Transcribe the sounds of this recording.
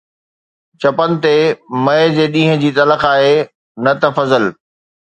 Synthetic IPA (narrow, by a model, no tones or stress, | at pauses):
t͡ɕɐpənɪ̆t̪emɐɪd͡ʑeːɗĩːɦə̃d͡ʑiːt̪ɐləxaːɦe | nɐt̪ɐfɐzəl